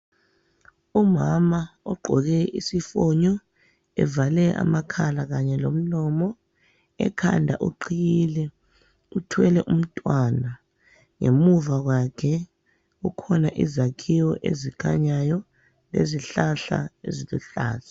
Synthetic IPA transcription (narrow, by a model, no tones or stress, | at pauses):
umamaɔɡ͡ǃʱɔɣ̬ɛisifɔɲɔ | ɛ̰valɛʔa̰makʰalaɣaɲɛlom̩nɔmɔ | ɛ̰kʰa̰ndʱa̰ʔuǃijilɛ | utʰwɛlɛʔum̩tʼwana | ŋemuvaɣ̬wakʰɛ | ɣukʰɔnaʔizakʰiwɔʔezikʰa̰ɲajɔ | lḛziɬaɬa̰ḛziluɬa̰ːɬḁ